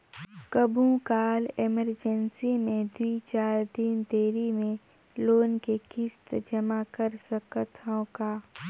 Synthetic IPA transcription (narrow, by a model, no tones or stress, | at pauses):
kəbʱũkaːleməɾd͡ʒənsimẽd̪uit͡ʃaːɾd̪ɪnt̪eːɾimẽ | loːnkekɪst̪d͡ʒəmakəɾsəkt̪ʰõka